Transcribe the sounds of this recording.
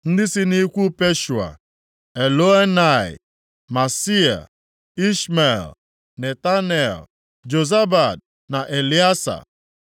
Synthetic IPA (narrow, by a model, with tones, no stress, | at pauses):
n̩˦dɪ˦si˦ni˦kʷu˦pe˦ʃu˨a̰˨ | e˨lo˦e˦na˦˨ɪ̰˨ | ma˨si˦a̰˨ | i˦ʃme˨l | ne˨ta˦n˦e˨l | d͡ʒo˨za˦ba˨d̚ | na˨ʔe˨li˦a˦sa̰˨